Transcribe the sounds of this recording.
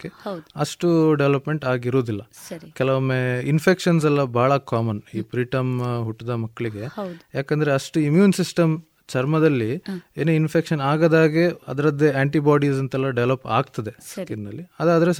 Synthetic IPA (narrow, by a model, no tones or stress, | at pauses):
kːedɐʂʈuɖeʋlɐpme̞ɳʈaːɡiɾoːd̪ilːɐsɐɾikɛlɐʋɐmːeːinpʰekʂɐns̬ɛlːɐbʱaːɭɐkaːmɐniːpɾiːʈɐmɦuʈːid̪ɐmɐkːɐɭiɡe̞wdjaːkend̪ɐɾeɐʂʈuimjuːnsisʈɐm | t͡ʃɐɾmɐd̪ɐlːieːneːinpʰekʃɐnaːɡɐd̪aːɡeɐ̰d̪ɐɾɐd̪ːeaːɳʈibaːɽisɐnt̪ɛlːɐɖeʋlɐpa̰ːɡt̪ɐd̪esɐkind̪ɐ̰lːiɐd̪ɐd̪ɐɾe